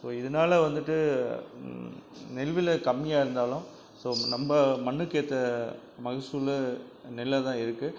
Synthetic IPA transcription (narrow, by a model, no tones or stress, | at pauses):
soːɪðɐnaːlɐʋɐnd̪ɯʈːɯ | nɛlʋɪlɐkɐmːɪjaːɪɾɯnd̪aːlʊ̃ | soːnɐmbɐmɐɳːɯkːeːt̪ːɐ | mɐɣɪsulɯnɛlːɐt̪ãːɪɾɯkːɯ